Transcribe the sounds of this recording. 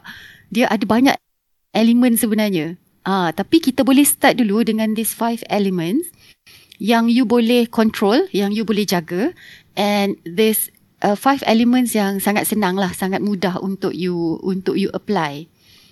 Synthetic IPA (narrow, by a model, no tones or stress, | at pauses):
diaʔadabaɲa̰ʔ | ʔɛlimə̃nsəbənarɲa | ʔãt̪apikit̪abolɛhst̪at̪̚duludəŋãnd̪isfajfɛlimə̃ns | jaŋjubolɛhkɔnt̪ɾoljaŋjubolɛhd͡ʒaɡa | ʔɛnd̪ɛs | ʔəfajfɛ̰limə̃nsjaŋsaŋat̪̚sənãŋlahsaŋat̪̚mũdaɦṵnt̪ʊk̚juunt̪ʊk̚juʔəplaj